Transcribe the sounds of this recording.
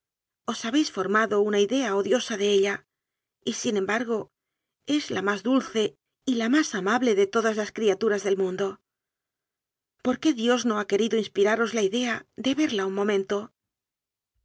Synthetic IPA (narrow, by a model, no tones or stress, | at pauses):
o̞saβe̞jsfo̞ɾmaðo̞unaiðe̞aoðjo̞saðe̞eʎa | isinẽ̞mbaɾɣo̞ | e̞zlamazðulθe̞ | ilamasamaβle̞ðe̞t̪o̞ðazlaskɾiat̪uɾazðe̞lmũnd̪o | po̞ɾke̞ðjo̞zno̞ake̞ɾiðoinspiɾaɾo̞zlaiðe̞aðe̞βe̞ɾlauŋmõ̞mẽ̞nt̪o̞